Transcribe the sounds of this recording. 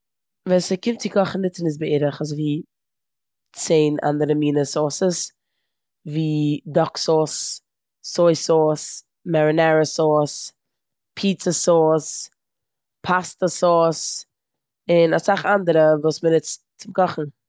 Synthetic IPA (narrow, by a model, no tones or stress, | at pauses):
viːsəkɪmtt͡sɪkʰɔχn̩ɪt͡sɪnɪsbəeɾəχazviː | t͡seɪnʔa̰ndəɾəmiːnəsɔsəs | viːdɔksɔsː | ɔɪsɔs | mɛɾɪnɛɾəsɔɾs | pʰiːt͡səsɔs | pʰastəsɔs | ɪnasaχandəɾəvuːsmənɪt͡st͡sɪmkɔχn̩